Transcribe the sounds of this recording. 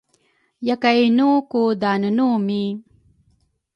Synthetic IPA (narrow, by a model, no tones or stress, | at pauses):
jɐkajnukud̪aːnunumi